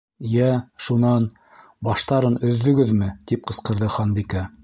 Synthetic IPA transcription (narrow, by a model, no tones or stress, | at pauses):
jæʃunɑn | bɑʃt̪ɑɾɤnɵ̆ðːɵ̆ɡɘðmɘt̪ip̚qɤ̆sqɤ̆ɾðɤχɑnbikæ